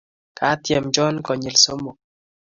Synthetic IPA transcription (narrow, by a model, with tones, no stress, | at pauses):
kʰa˨˦t̪jɛ˨md͡ʒɔ˦nkɔ˨ɲi˨lso˦mo˨